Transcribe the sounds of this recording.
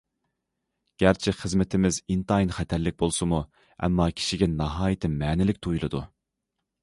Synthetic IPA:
ɡ̥ʲæɾt͡ʃʰɪχəzmɪt̪ʰɪmɪzint̪ɑjinχɛt̪ʰæɾlɪk̚ʲbolˠsɨmu | ɛ̰mːɑkʲʰi̥ʃiɡʲɛnɑɦɑːjit̪ʰɪmɛːnɪlɪkʲt̪ʰujlˠɨd̪u

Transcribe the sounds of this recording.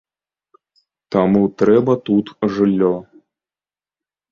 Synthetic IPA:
t̪amut̪ɾɛbɐt̪ut̪ʐɨlʲːɔ

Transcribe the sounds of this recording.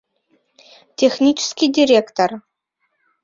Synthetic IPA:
tʲexnʲit͡ʃʰɪ̥skʲidʲiɾʲekt̪or

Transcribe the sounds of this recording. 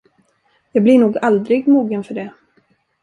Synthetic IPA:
jɑːɡblɪɳuːɡald̪ɾɪɡmuːɡənfœɖɛ

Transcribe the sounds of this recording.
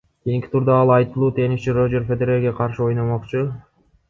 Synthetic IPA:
kʲejiŋkʲi̥t̪ʰuɾd̪ɑɑlˠɑjt̪ɯlˠuːt̪ʰe̞niʃt͡ʃirod͡ʒe̞ɾfʲed̪eɾeɾɡeqʰɑɾʃɯo̞jnomo̞qt͡ʃu

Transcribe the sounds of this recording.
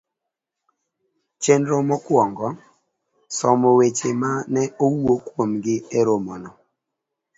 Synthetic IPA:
t͡ʃenɾomɔkwɔŋɡɔ | sɔmowet͡ʃemanɛowokwomɡɪeɾomɔnɔ

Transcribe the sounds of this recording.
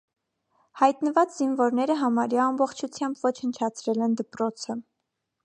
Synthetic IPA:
hɑjt̪nəvɑt͡szinvɔɾnɛɾəɦɑmɑɾjɑːmbɔχt͡ʃʰut͡sʰjɑmbvɔt͡ʃʰhənt͡ʃʰɑt͡sʰɾɛlɛnd̪əpɾɔt͡sʰə

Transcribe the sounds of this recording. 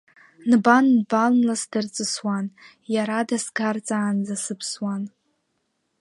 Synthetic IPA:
nbanːballasdɨrt͡sʼɨswan | jaɾadasɡart͡sʼaːnd͡zasɨpʰswan

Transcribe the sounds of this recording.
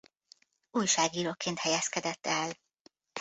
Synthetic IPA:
uːjʃaːɡiːɾoːkːeːnt̪hɛjɛskɛd̪ɛt̪ːɛl

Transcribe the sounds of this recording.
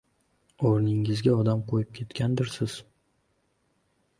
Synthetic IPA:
oɾnɪŋɪzɡʲaɒd̪amqʰojɪp̚kʲʰe̞t̪kʲʰand̪ɪɾsɪz̥

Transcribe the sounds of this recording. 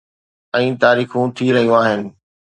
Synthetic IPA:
ɛ̃ːt̪aːɾiːxũt̪ʰiɾɐɦijũaːɦɪnɪ̆

